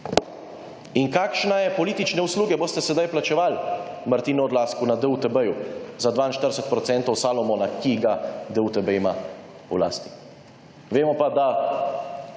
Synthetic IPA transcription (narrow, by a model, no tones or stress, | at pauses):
inkaːkʃnɛjɛpɔliːt̪it͡ʃnɛusluːɡɛboːst̪ɛsɛd̪ajplat͡ʃɛʋalmaɾt̪iːnuɔd̪laːskunad̪əut̪ɛbəjuzad̪ʋaːinʃt̪əɾdesɛt̪̚pɾɔt̪sɛnt̪ɔwsaːlɔmɔnakiɡad̪əut̪ɛbəima | ula̰ːst̪i̥ | ʋeːmɔpad̪a